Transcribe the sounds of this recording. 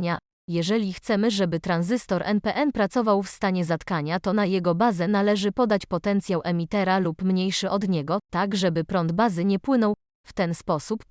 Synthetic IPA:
ɲa | jɛʐɛlʲixt̪sɛmɘʐɛbɘt̪ɾanzɘst̪ɔɾʔɛ̰npɛʔɛnpɾat̪sɔvawfst̪aɲɛzat̪kaɲat̪ɔnajɛɡɔbazɛnalɛʐɘpɔd̪at͡ɕpɔt̪ɛnt̪sʲjawʔɛmʲit̪ɛɾalupmɲejʂɘʔɔd̪ɲɛɡɔt̪aɡʐɛbɘpɾɔnd̪bazɘɲɛpwɘnɔw | ft̪ɛnspɔsup

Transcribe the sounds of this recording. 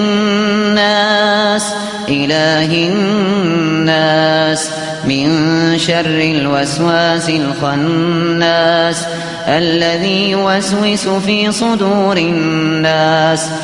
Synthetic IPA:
aːs | ʔɪlaːɦɪ | aːs | mɪnʃɑrˤːɪlwaswaːsɪlxanːas | ʔalːaðiːjwaswɪsʊfiːsˤʊd̪uːɾɪnːaːs

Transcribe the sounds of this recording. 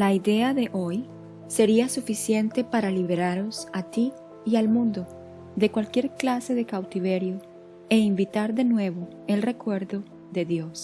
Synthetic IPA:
laiðe̞aðe̞ʔoj | se̞ɾiasufisje̞nt̪e̞paɾaliβeɾaɾo̞sat̪i | ialmũnd̪o̞ | ðe̞kwalkje̞ɾklase̞ðe̞kawt̪iβe̞ɾjo | e̞imbit̪aɾðe̞nwe̞βo | e̞lre̞kwe̞ɾðo̞ | ðe̞ðjos

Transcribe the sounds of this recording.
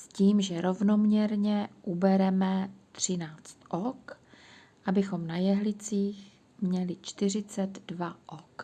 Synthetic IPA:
sciːmʒɛɾo̞vno̞mɲɛɾɲɛʔubɛɾɛmɛt̪r̝̥ɪnaːt͡st̪ʔok | ʔabɪxo̞mnajɛɦlɪt͡siːx | mɲɛlɪt͡ʃt̪ɪr̝ɪt͡sɛt̪dvaʔok

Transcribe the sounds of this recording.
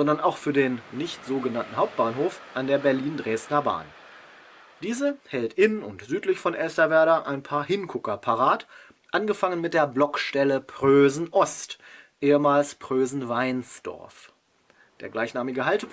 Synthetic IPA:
z̥ɔndɐnaʊxfyːɐdeːnːɪçtz̥oːɡənantn̩haʊp̚t̚b̥aːnɦoːfʔandeːɐbɛɐliːndʁeːstnɐba̰ːn | d̥iːzəhɛltʔɪnʊntz̥yːtlɪçfɔnʔɛlstɐvɛɐɾɐʔaɪnpʰaːɐhɪnkʰʊkɐpʰaʁaːt | ʔanɡəfaŋənmɪt̚d̥eːɐblɔkʃtɛləpʁ̥øːzn̩ʔɔstʔeːəmaːlspʁ̥øːzn̩vaɪnsd̥ɔ̰ɐf | d̥eːɐɡlaɪçnaːmɪɡəhaltəp

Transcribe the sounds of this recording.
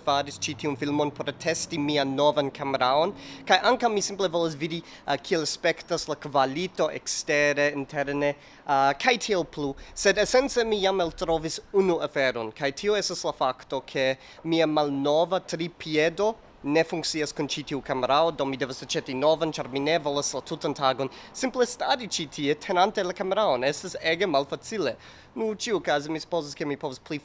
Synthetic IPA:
faɾist͡ʃitʰiunfilmo̞npoɾtʰestimianːovankʰameɾaonkajʔaŋkawmisimplevolas̬vidi | kʰielspektaslakvalito̞ʔḛksteɾeintʰeɾne | kʰajtʰielplusedesent͡semijamaltɾovisunuafeɾonkʰajtʰioestaslafakto̞kʰe̞ | miamalnovatɾipʰiedo̞ | ne̞fuŋk̚t͡siaskunt͡ʃitiukameɾaodowmide̞vasat͡ʃetinovant͡ʃaɾminevolaslatʰutantʰaɡo̞nsimplestaɾit͡ʃitʰietʰenantelakameɾaonestaseɡemalfat͡sile | nut͡ʃiuokazimisu̥poziskemipovaspli

